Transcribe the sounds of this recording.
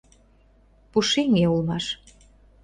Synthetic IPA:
puʃiŋeulmɑʃ

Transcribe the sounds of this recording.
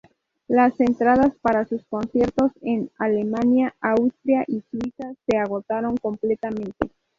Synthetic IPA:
lase̞nt̪ɾað̞aspaɾasusko̞nsje̞ɾt̪o̞se̞nale̞manjaawst̪ɾjaʔiswisase̞aɣo̞t̪aɾo̞ŋko̞mple̞t̪amẽ̞nt̪e̞

